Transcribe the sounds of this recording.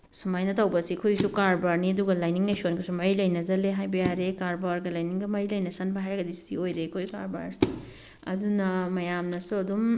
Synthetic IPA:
sumajnɐtawbɐsikʰujsukaɾbaɾniɐduɡɐlajniŋlɐjsonɡasumɐjlɐjnɐzɐleɦajbijaɾekaɾbaɾɡalajniŋɡɐmɐjlɐjnɐsɐnbaɦajɾaɡɐdisḭojɾekʰojkaɾba̰ɾsi | ɐ̰dunɐmɐjamnɐsuɐdum

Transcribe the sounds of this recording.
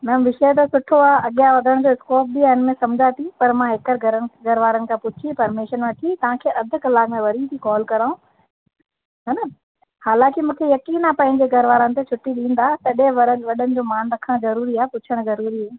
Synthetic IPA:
mɛːmʋɪʃət̪̬osʊʈʰoaːʔɐɠijaʋɐd̪ʱəɽ̃d͡ʑoːɪskoːp̚biaːɦɪnmẽsɐmd͡ʑʱat̪ʰipɐɾmãɦɪkəɾɡɐɾəɡɐɾʋaːɾənɪ̆kʰãːpʊt͡ɕʰipɐɾmeʃənʋɐʈʰit̪ɐʋ̤ãkʰeːʔɐd̪ʱʊ̆kɐlaːkmẽʋɐɾit̪ʰikɔːlkɐɾaːũ | ɦɐnɐ | haːlãːkɪmũːkʰejɐkiːnapɐ̃ɦɪ̃ɲd͡ʑeɡʱɐɾʋaːɾənɪ̆t̪et͡ɕʰʊʈːiɗĩːn̆d̪aːt̪ɐɗẽʋɐɾəʋɐɗənɪ̆d͡ʑoːmaːnɾɐkʰəɽ̃zɐɾuːɾiaːepʊt͡ɕʰəɽ̃zɐɾuːɾia

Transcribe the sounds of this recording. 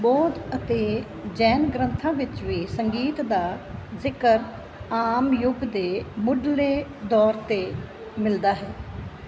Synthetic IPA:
bɔːd̪ət̪eː | d͡ʒɛːnɡɾənt̪ʰãːʋɪt͡ʃʋiːsəŋɡiːt̪d̪aːzɪkəɾ | aːmjʊɡd̪eːmʊɖleːd̪ɔːɾt̪eː | mɪld̪aːɦɛː

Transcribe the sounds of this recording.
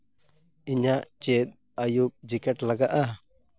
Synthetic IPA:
iɲaʔt͡ʃɛt̪̚ | ajup̚d͡ʒikɛʈlaɡaʔa

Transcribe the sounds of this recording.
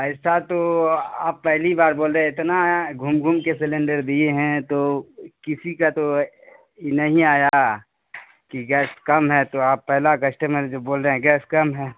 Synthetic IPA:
ɛɪsat̪oaːpːɛɦlibaːɾboːlɾeɛ̃ɪt̪naɡʱʊmɡʱumkesɪlẽːɳɖəɾd̪ieɦɛ̃t̪okɪsikat̪o | jenɐɦĩaːja | kiɡɛːskɐmɦɛt̪oaːpːɛɦlakɐʃʈemẽd͡ʒoːboːlɾeɦɛ̃ɡɛːskɐmɦɛː

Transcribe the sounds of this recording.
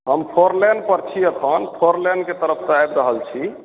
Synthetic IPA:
ɦəmpʰoɾleɳɖ̚pəɾt͡ʃʰiəkʰənpʰoɾleɳɖket̪əɾəpʰt̪əajbɾəɦəlt͡ʃʰi

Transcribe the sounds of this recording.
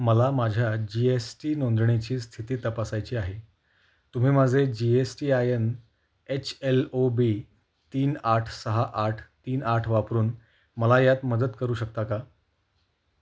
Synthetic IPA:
məlamad͡ʑʱjad͡ʑiesʈiːnond̪ɳet͡ɕiːst̪ʰit̪iːt̪əpasajt͡ɕiːaɦe | t̪um̤iːmad͡zʱed͡ʑiesʈiːajən | et͡ɕʰelobi | t̪iːnaʈʰsəɦaʔaʈʰt̪iːnaʈʰʋapɾuːn | məlajat̪məd̪ət̪kəɾuːɕək̚t̪aka

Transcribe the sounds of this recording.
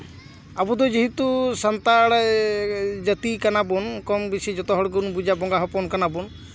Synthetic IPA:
abud̪ɔd͡ʒiɦit̪usant̪aɽaj | d͡ʒət̪ikanabɔnkɔmbisid͡ʒɔt̪ɔɦɔɽɡunbud͡ʒabɔŋɡaɦɔpɔnkanabɔn

